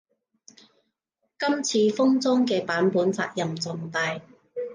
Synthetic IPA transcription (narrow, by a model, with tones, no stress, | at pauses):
kɐ˥mt͡sʰiː˧fʊ˥ŋt͡sɔː˥ŋkɛː˧paː˨˥npuː˨˥nt͡sa̰ː˧k̚jɐ˨mt͡sɔ˨˩ŋt̪aː˧j